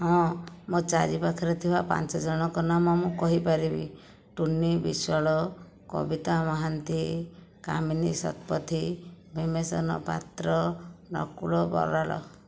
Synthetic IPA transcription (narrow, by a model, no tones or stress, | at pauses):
ɦɔ̃mot͡ʃaɾipakʰɔɾɔt̪ʰibapa̰nt͡ʃɔd͡ʒɔɽ̃ɔkɔnamɔmũkɔɦipaɾibḭ | ʈunibiswaɭɔ | kɔ̰bit̪amɔɦant̪i | ka̰minisɔ̰t̪pɔt̪ʰibʱimesɔ̰nɔ̰pa̰t̪ɾɔnɔ̰kuɭɔbɔ̰ɾalɔ̰